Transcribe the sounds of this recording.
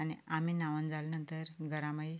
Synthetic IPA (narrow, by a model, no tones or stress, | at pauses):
añḭam̤inaʋənd͡zalnənt̪əɾɡəɾaməi